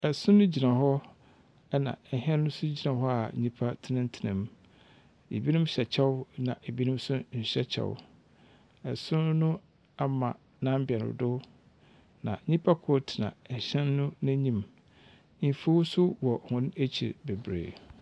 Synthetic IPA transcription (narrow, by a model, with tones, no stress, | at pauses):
ɛ˨sʊ̃˦nʊ̃˦d͡ʑi˨nã˨ɦɔ˦ | ɛ˦nã̰˨ɦɛ̃˦nːʊ̃˦sʊ˦d͡ʑi˨nã˨ɦɔ˦a˨ɲĩ˦pʰa˦tʰɪ˦nɪ̃˦n˦tʰɪ˨nã̰˨m | ḛ˨bi˦nʊ̃˦mɕɛ˨t͡ɕʰɛ˦wnã˨ʔe˨bi˦nʊ̃˦m˦sʊ˦ɲ̩˨ɕᶣɛ˦t͡ɕʰɛ̰˨wʊ̰˦ | ɛ˨sʊ̃˦n˦nʊ̃˦ | a˦mã̰˨ | nã˦m̩˦bɪ˨ɛ˨nʊ̰̃˨dʊ˦ | nã̰˨ɲĩ˦pʰa˦kʰo˦tʰɪ˨nã̰˨ɛ˨ɕɛ̃˦nːʊ̃˦nã˦ɲĩ˨m | m̩˨fu˦wu˦sʊ˦wɔ˨hʊ̃˦ne˦t͡ɕʰḭ˨ɾbe˨bɾḛː˨